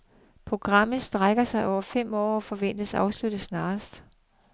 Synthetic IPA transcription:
pʰʁo̝ɡ̥ʁɑ̈m̰ð̩ˠsd̥ʁaɡ̥ɐsɑ̈ɪʔɒʊ̰ɐfem̰ɒ̰ːɒfɒ̽ʋen̰d̥əsɑ̈ʊslud̥əðsnɑ̈ːsd̥

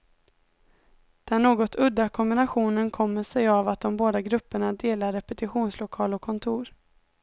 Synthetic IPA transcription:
d̪̥ɛæːɳoːɡɔt̪ʰɵd̪ːakʰɔmbɪnaɧuːnənkʰɔmːəʂɛjavat̪̚d̪ɔmboːd̪aɡɾɵpːəɳad̪eːlaɾːɛpɛt̪ɪɧuːnslʊkʰɑːlɔkʰːɔnt̪ʰuːɾ

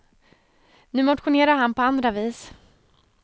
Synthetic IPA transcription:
nʉ̟ːmɔt̪ɧʊneːɾaɾhanpʰɔand̪ɾaviːs

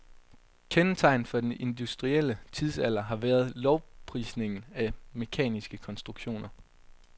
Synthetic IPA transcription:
kʰenət͡sʰɑ̈ɪ̰nfɒ̽d̥enʔe̝nd̥usd̥ʁiel̰ət͡sʰið̞ˠsæl̰ɐɦɑ̈ʋæːɐð̞ˠlɒʊpʰʁḭːsne̝ŋn̩æme̝kʰɛ̰ːnisɡ̥əkʰɒ̽nsd̥ʁuɡ̥ɕo̝̰ːnɐ

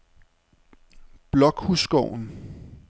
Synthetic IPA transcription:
b̥lɒ̽ɡ̥husɡ̥ɒʊ̰n̩

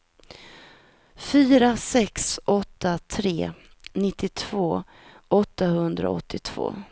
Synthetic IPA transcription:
fyːɾasɛksʔɔt̪ːat̪ʰɾeː | nɪt̪ːɪt̪ʰv̥oː | ɔt̪ʰːaɦɵnd̪ɾa̰ɔ̰t̪ʰːɪt̪ʰv̥o̰ː

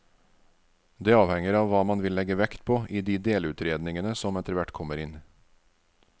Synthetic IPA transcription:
d̪eːɑːʋhɛŋəɾɑːʋʋɑːmɑnʋɪlɛɡəʋɛkt̪pʰoːʔiːd̪iːd̪eːlʉːt̪ɾeːd̪nɪŋənəsɔmɛt̪əɾʋæʈkʰɔməɾɪn

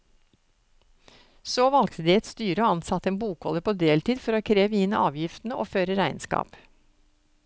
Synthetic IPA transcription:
soːʋɑlk̚t̪əd̪iːɛt̪st̪yːɾəɔɑnsɑt̪ːəeːnbuːkɔləpʰoːd̪eːlt̪iːd̪fɔɾoːkʰɾeːʋəɪnəʔɑːʋjɪft̪n̩əʔoːføːɾəɾæɪnskɑ̰ːp

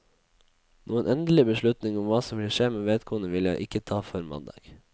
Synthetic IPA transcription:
nʔuːənʔɛnd̪əlɪbəʂɭʉt̪nɪŋʊmʋɑːsɔmʋɪlʂeːmeːʋeːd̪kʰoːənəʋɪljæ̰ɪʔɪkət̪ʰɑːfɔɾmɑ̰nd̪ɑ̰ːɡ̥

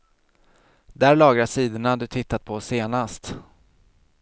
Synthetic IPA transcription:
d̪æːɾɭɑːɡɾaʂiːd̪əɳad̪ɵt̪ʰɪt̪ːat̪̚pʰɔseːnast̪

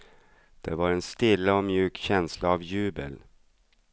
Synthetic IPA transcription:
d̪̥ɛvaɾɛnst̪ɪlːəɔmjʉ̟ːkɕɛnslaːvjʉ̟ːbə̰l

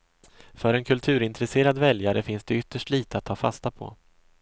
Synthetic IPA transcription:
fœɾɛnkʰɵlt̪ʰʉ̟ːɾɪnt̪ɾɛseːɾad̪vɛljaɾəfɪnsd̪ɛʏt̪ːəʂʈliːt̪əat̪ʰːɑːfa̰st̪apʰɔ̰

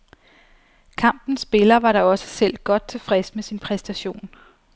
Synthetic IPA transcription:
kʰɑ̈m̰b̥n̩sːb̥e̝lɐʋɑ̈ɾɑ̈ɒ̽sə̥sel̰d̥̚ɡ̥ɒ̽d̥̚t͡sʰe̝fʁɛsəmesinpʰʁɛsd̥æɕo̝̰ːn

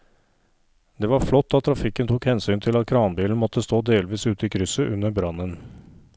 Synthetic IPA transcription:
d̪ɛʋɑɾflɔt̪ːɑt̪ʰːɾɑfɪkːənt̪ʰuːkhɛnsyːnt̪ʰɪlɑt̪̚kʰɾɑːnbiːln̩mɔt̪ːəst̪oːd̪eːlʋiːsʉːt̪əiːkʰɾʏsəʔʉnːəɾbɾɑnən

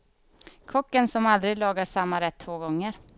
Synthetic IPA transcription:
kʰɔkːənsɔmald̪ɾɪɡlɑːɡaʂamːaɾɛt̪ʰːvoːɡɔŋːəɾ

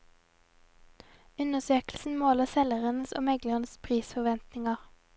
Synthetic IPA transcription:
ʉnəsøːkl̩sn̩moːləsɛləʁənəso̰ːmɛɡləʁənəspʰʁiːsfɔʋɛnt̪nɪŋɑʁ

